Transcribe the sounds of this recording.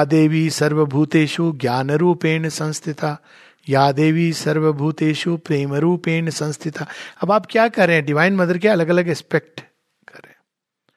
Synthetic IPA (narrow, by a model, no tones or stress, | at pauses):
jːd̪eːʋisɐɾʋəbʱuːt̪eːʃuɡjaːnəɾuːpeːnsɐ̃nst̪ʰɪt̪a | jaːd̪eːʋisɐɾʋəbʱuːt̪eːʃupɾeːməɾuːpeːnsɐ̃nst̪ʰɪt̪aɐbaːp̚kjaːkɐɾẽɛ̃ɖɪʋaːɪnmɐd̪əɾkeɐləɡɐləɡɪspek̚ʈ | kɐɾḛ̃ː